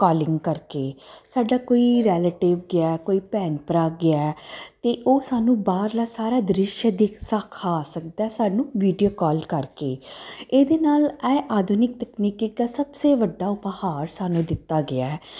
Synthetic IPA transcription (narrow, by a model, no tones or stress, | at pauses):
kɔːlɪŋɡkəɾkeːsaːɖaːkoːiːɾɛːleːʈɪʋɡɪaːkoːiːpɛːnpɾaːɡɪaɛt̪eːʔoːsaːnũːbaːɾlaːsaːɾaːd̪əɾɪʃjəd̪ɪkʰsaːkʰaːsək̚d̪aːɛːsaːnũːʋiːɖijoːkɔːlkəɾkḛːeːd̪eːnaːlɛːʔaːd̪ʱunɪk̚t̪əkniːkɪk̪aːsəbseːʋəɖːaːʊphaːɾsaːnũːd̪ɪt̪ːaːɡɪaːɛ